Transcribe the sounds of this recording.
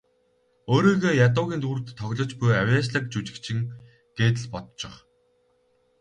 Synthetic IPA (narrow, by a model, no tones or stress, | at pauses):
oːɾiːɣeːjat̪̬ʊːɣʲiːnt̪urt̪ʰːɔɣʲɮɞ̆t͡ɕpujawjaːt͡ɕɮə̆k̚t͡ɕut͡ɕɪ̆kt͡ɕʰɪ̆ŋ | ɡ̥eːt̪̬ɘ̆ɮpɔt̪t͡ɕɪ̆χ